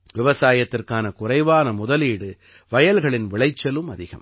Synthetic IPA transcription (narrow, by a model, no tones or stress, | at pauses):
ʋɪʋɐsaːjɐt̪ːɪrkaːnɐkʊrɐɪʋaːnɐmʊðɐliːɽɯ | ʋɐjɐlɣɐɭɪnʋɪɭɐɪt͡ʃːɐlɯmɐðɪɣɐ̰m